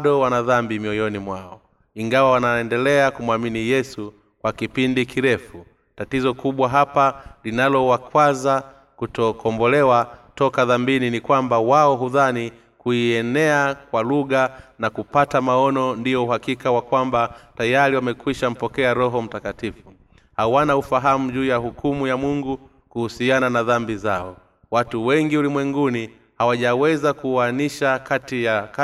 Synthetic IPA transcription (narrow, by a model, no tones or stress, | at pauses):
ɗɔwanaðambimiɔjɔnimwaɔ | iŋɡawawanaɛndɛlɛakumwaminijɛsu | kwakipindikiɾɛfu | tatizɔkuɓwaɦapalinalɔwakwaza | kutɔkʰɔmbɔlɛwatɔkaðambininikwambawaɔɦuðani | kuiɛnɛakwaluɠanakupatamaɔnɔndijɔuɦakikawakwambatajaɾiwamɛkwiʃam̩pɔkɛaɾɔɦɔm̩takatifu | hawanaufaɦamuʄuːjahukʰumujamuŋɡu | kuhusiananaðambizaɔ | watuwɛŋɡiulimwɛŋɡuni | hawaʄawɛzakuaniʃakatijaka